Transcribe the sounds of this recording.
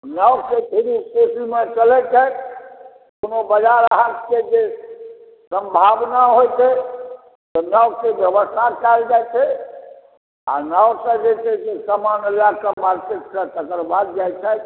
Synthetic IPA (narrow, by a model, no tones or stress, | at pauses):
nəwkepʰeɾipesimet͡ʃəlɛt͡ʃʰɛ | konobəd͡ʒaɾaɦat̪ked͡ʒe | səmbʱabnaɦojt͡ʃʰɛ | t̪ɔnakebjəbəst̪ʰakald͡ʒat͡ʃʰɛ | a̰nawsə̃d͡ʒet̪ed͡ʒesəmanəlakəmaɾket̪sə̃t̪əkəɾbad̪̚d͡ʒajt͡ʃʰɛt̪